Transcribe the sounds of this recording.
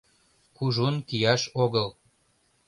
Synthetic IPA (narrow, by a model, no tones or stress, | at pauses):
kuʒonkijɑʃoɣəl